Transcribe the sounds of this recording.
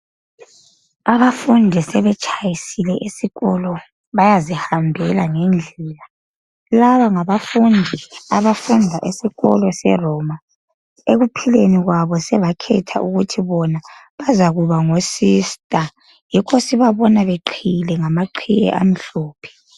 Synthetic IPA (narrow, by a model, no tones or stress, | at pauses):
aβafundʱisɛβɛt͡ʃʰʼajisilɛʔisiɣɔlɔ | βajazihambʱɛlaŋend͡ɮʱɛla | laβaŋaβafundʱiaβafundʱaʔesiɣɔ̰lɔsɛ̰rɔːma | eɣupʰileniɣwaβɔsɛβakʰɛtʰa̰ʔuɣutʰiβɔna | βazaɣuβaŋosistʼa | jikʰosiβaβɔnaβeǃʰilɛŋamaǃʰijɛ̰ʔa̰m̩ɬɔːpʰɛ̥